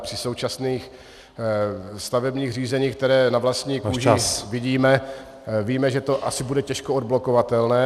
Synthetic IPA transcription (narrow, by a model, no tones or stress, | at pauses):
pr̥ɪso̞wt͡ʃasniːx | st̪avɛbɲiːxriːzɛɲiːk̚t̪ɛɾɛːnavlast̪ɲiːkuʒvɪɟiːmɛ | viːmɛʒɛt̪o̞ʔa̰sɪbudɛcɛʃkood̪̚blo̞ko̞vat̪ɛlnɛː